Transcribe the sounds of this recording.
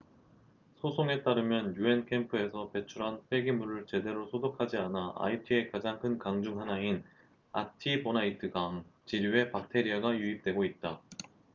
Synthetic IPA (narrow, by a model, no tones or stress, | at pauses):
sʰosʰoŋe̞t͈aɾɯmjʌnjue̞nkʰe̞mpʰɯe̞sʰʌpe̞t͡ɕʰuɾɦanpʰwe̞ɡimuɾɯɭt͡ɕe̞de̞ɾosʰodokʰad͡ʑianaʔa̰itʰie̞kad͡ʑaŋkʰɯnkaŋd͡ʑuŋɦanain | atʰibonaitʰɯɡaŋt͡ɕiɾjue̞pak̚tʰe̞ɾiaɡajuip̚t͈we̞ɡoit̚t͈a